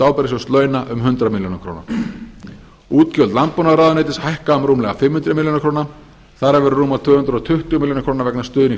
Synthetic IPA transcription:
t̪aːwpɛɾɪsɔst̪lœːɥnaʔʏmɦʏnt̪ɾamɪljonakʰɾoːwna̰ | uːt̪cœlt̪lampːɔnaðɾaːðʏneːt̪ɪshajhkaʏmɾuːmlɛɣafɪmhʏnt̪ɾamiljonakʰɾoːwna | θaɾaɾvɛɾrːuːmaɾt̪ʰvʏːhʏnt̪ɾɔt̪ʰʏht̪ʏɣmiljonkʰɾoːwnaɾvɛknast̪ʏːðʏni

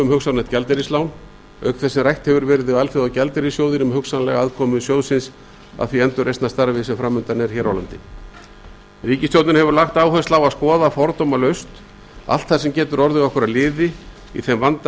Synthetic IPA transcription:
ʏmhʏksanaht̪̚cɛlt̪ɛɾislawn | œɥk̪θɛsːɪrajht̪hɛvʏɾvɛːɾɪðɪvalfɪðawcɛlt̪ɛɾisjoːwðɪnʏmhʏksanalɛɣaaðkʰɔːmʏsjoːwðsɪns | a̰ðθviɛnt̪ʏɾʔejst̪nast̪aɾvɪsɛmfɾamːʏnt̪aɾnɛɾ̥çɛːɾawlant̪ɪ | riːcɪsjowt̪nɪnhɛvʏɾlaxt̪aːwhœnslaːwaskɔːðafɔɾt̪ɔmalœɥst̪ | a̰l̥t̪θaɾsɛmcɛːt̪ʏɾɔɾðʏɣɔhkʏɾalɪːðɪ | ḭθɛmvant̪

